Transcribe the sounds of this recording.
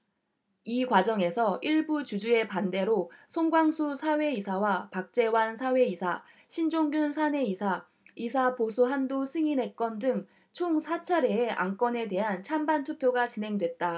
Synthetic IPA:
ikwad͡ʑʌŋe̞sʰʌʔiɭbut͡ɕud͡ʑue̞pande̞ɾosʰoŋɡwaŋsʰusʰawe̞isʰawapak̚t͡ɕ͈e̞wansʰawe̞isʰa | ɕʰind͡ʑoŋɡjunsʰane̞isʰa | isʰaposʰuɦandosʰɯŋine̞k͈ʌndɯŋ | t͡ɕʰoŋsʰat͡ɕʰaɾeːʔa̰ŋk͈ʌne̞de̞ɦant͡ɕʰambantʰupʰjoɡat͡ɕinɦe̞ŋdwe̞t̚t͈a

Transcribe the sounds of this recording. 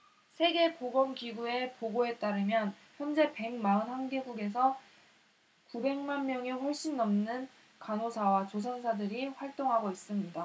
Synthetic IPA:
sʰe̞ɡe̞poɡʌmkiɡue̞poɡoe̞t͈aɾɯmjʌn | çjʌnd͡ʑe̞pe̞ŋmaɯnhanɡeɡuɡe̞s̬ʰʌ | kube̞ŋmanmjʌŋeɸʌɭɕ͈inːʌmnɯn | kanosʰawat͡ɕos̬ʰʌnsʰadɯɾiɸwaɭt͈oŋɦaɡois͈ɯmɲida

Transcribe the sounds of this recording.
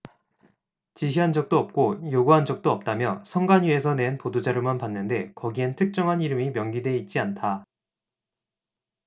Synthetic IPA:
t͡ɕiɕ̬ʰiɦand͡ʑʌk̚t͈oʌp̚k͈ojoɡuɦand͡ʑʌk̚t͈oʌp̚t͈amjʌsʰʌŋɡaɲie̞sʰʌne̞npodod͡ʑaɾɯmanpanːɯnde̞kʌɡientʰɯk̚t͡ɕ͈ʌŋɦaniɾɯmimjʌŋɡidwe̞it̚t͡ɕ͈iantʰa

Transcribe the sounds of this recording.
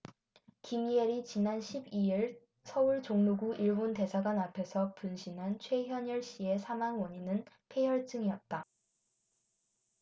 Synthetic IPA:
kimieɾit͡ɕinanɕʰibiiɭ | sʰʌuɭt͡ɕoŋmuɡuʔiɭbonte̞sʰaɡwanapʰe̞sʰʌpunɕʰinɦant͡ɕʰwe̞ɦjʌɲʌɭɕ͈ie̞sʰamaŋwʌɲinɯn | pʰe̞jʌɭt͡ɕ͈ɯŋiʌt̚t͈a

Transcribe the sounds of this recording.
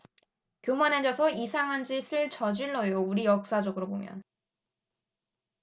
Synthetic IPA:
kjomaned͡ʑʌsʰʌisʰaŋɦand͡ʑisʰɯɭt͡ɕʌd͡ʑiɭːʌjouɾijʌk̚s͈ad͡ʑʌɡɯɾobomjʌ̰n

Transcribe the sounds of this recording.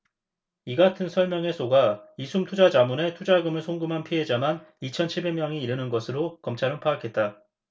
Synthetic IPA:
iɡatʰɯnsʰʌɭmjʌŋe̞sʰoɡaisʰumtʰud͡ʑad͡ʑamune̞tʰud͡ʑaɡɯmɯɭsʰoŋɡɯmɦanpʰiɦe̞d͡ʑamanit͡ɕʰʌnt͡ɕʰiɭbe̞mjʌŋiːɾɯnɯnɡʌsʰɯɾokʌmt͡ɕʰaɾɯnpʰaːkʰe̞t̚t͈a

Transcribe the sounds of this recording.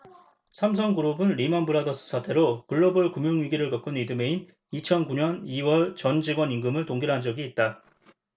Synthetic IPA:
sʰamsʰʌŋɡuɾobɯnɾimanbɯɾadʌs͈ɯ̥sʰatʰeɾokɯɭːʌbɯɭkumjoŋjuɡiɾɯɭkʌk͈ɯnidɯme̞in | it͡ɕʰʌnkuɲʌniwʌɭt͡ɕʌnd͡ʑiɡwʌniŋɡɯmɯɭtoŋɡiɭɦand͡ʑʌɡiːt̚t͈a

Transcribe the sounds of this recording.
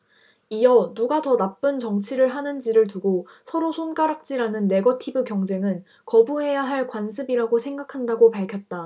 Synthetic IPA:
ijʌnuɡatʌnap͈ɯnt͡ɕʌŋt͡ɕʰiɾɯɭɦanɯnd͡ʑiɾɯɭtuɡo | sʰʌɾosʰonɡaɾak̚t͡ɕ͈iɾanɯnːe̞ɡʌtʰibɯkjʌŋd͡ʑe̞ŋɯn | kʌbuɦe̞jaɦaɭkwansʰɯbiɾaɡosʰe̞ŋɡakʰandaɡopaɭkʰjʌt̚t͈a

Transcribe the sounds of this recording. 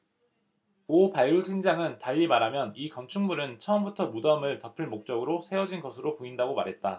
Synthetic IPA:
opaɭːutʰɯŋd͡ʑaŋɯntaʎːimaɾamjʌnikʌnt͡ɕʰuŋmuɾɯnt͡ɕʰʌʌmbutʰʌmudʌmɯɭtʌpʰɯɭmok̚t͡ɕ͈ʌɡɯɾosʰe̞ʌd͡ʑinɡʌsʰɯɾopoindaɡoma̰ɾɦe̞t̚t͈a

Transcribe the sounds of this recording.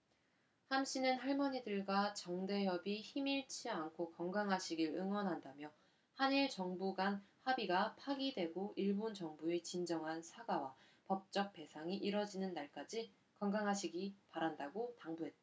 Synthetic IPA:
hamɕ͈ʰinɯnɦaɭmʌɲidɯɭɡwat͡ɕʌŋde̞jʌbiçimiɭt͡ɕʰiankʰokʌŋɡaŋɦaɕʰiɡiɭɯŋwʌnɦandamjʌ | haniɭt͡ɕʌŋbuɡanhabiɡapʰaɡidwe̞ɡoʔiɭbont͡ɕʌŋbuet͡ɕind͡ʑʌŋɦansʰaɡawa | pʌp̚t͡ɕ͈ʌk̚p͈e̞sʰaŋiʔiɾʌd͡ʑinɯnːaɭk͈ad͡ʑi | kʌŋɡaŋɦaɕʰiɡipaɾandaɡotaŋbuɦe̞t̚t͈a

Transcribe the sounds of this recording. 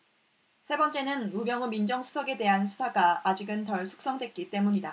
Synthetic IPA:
sʰe̞bʌnt͡ɕ͈e̞nɯnumjʌŋɯmind͡ʑʌŋsʰu̥sʰʌɡe̞de̞ɦansʰu̥sʰaɡaːd͡ʑiɡɯntʌɭsʰu̥k̚s͈ʌŋdwe̞t̚k͈it͈e̞muɲida

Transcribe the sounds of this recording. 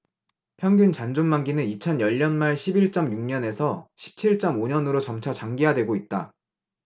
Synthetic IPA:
pʰjʌŋɡunt͡ɕand͡ʑonmaŋɡinɯnit͡ɕʰʌnjʌʎːʌnmaɭɕʰibiɭt͡ɕ͈ʌmjuŋɲʌne̞sʰʌɕʰi̥p̚t͡ɕʰiɭt͡ɕ͈ʌmoɲʌnɯɾot͡ɕʌmt͡ɕʰat͡ɕaŋɡijadwe̞ɡoit̚t͈a

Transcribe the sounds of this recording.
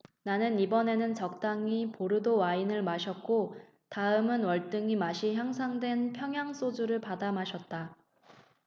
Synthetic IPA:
nanɯnibʌne̞nɯnt͡ɕʌk̚t͈aŋipoɾɯdowainɯɭmaɕʰʌk̚k͈o | taɯmɯnwʌɭt͈ɯŋimaɕʰiçjaŋs̬ʰaŋdwe̞npʰjʌŋɦjaŋs͈ʰod͡ʑuɾɯɭpadamaɕʰʌt̚t͈a

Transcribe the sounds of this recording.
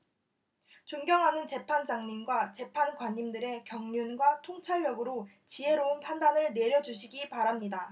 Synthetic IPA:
t͡ɕoŋɡjʌŋɦanɯnt͡ɕe̞pʰand͡ʑaŋɲinɡwat͡ɕe̞pʰanɡwaɲːimdɯɾe̞kjʌŋɲunɡwatʰoŋt͡ɕʰaɭːʌɡɯɾo | t͡ɕiɦe̞ɾoɯnpʰandanɯɭne̞ɾjʌd͡ʑuɕ̬ʰiɡipaɾamɲida

